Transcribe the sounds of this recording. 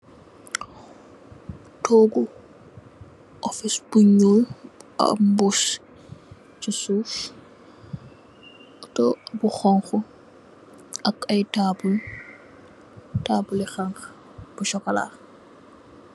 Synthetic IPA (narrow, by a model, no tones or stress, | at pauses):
toːɡu | ʔɔfisb̥uɲola̰bus | t͡ʃisuf | ɔtɔabuxɔŋxu | akɐjtabul | taːbulixaŋx | b̥uʃɔkala̰ːx